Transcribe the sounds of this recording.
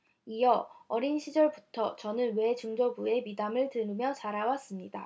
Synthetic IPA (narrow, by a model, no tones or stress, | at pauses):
ijʌʌɾinɕʰid͡ʑʌɭbutʰʌt͡ɕʌnɯnwe̞t͡ɕuŋd͡ʑʌbue̞midamɯɭtɯnɯmjʌt͡ɕaɾawas͈ɯmɲida